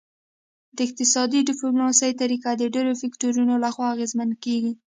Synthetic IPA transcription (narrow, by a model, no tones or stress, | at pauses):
d̪əɪq̚t̪ɪsɑd̪iɖɪplunɑsəjt̪aɾikad̪əɖeɾofɪkʈoɾunolaxwɑːɣezmankeɡi